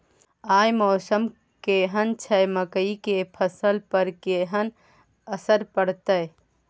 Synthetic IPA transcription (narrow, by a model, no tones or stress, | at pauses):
aːjmɔːsəm | keɦənt͡ʃʰɐjməkəikepʰəsəlpəɾkeːɦən | əsəɾpəɽt̪əj